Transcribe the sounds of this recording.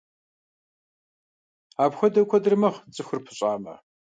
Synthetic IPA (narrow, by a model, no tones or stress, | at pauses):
aːbxʷɐdɐkʷʰɔdɨrɨmɐχt͡sʼɨxʷɨrpʰɨ̥ɕʼaːmɐ̰